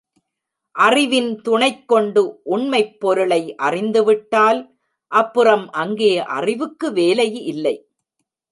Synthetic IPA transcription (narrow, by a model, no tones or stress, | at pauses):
ʔɐrɪʋɪnt̪ʊɳɐɪkːɔɳɖɯʔʊɳmɐɪpːɔɾɯɭɐɪʔɐrɪnd̪ɯʋɪʈːaːl | ʔɐpːɯrɐmʔɐŋɡejɐʔɐ̰rɪʋɯkːɯʋeːlɐjɪlːɐɪ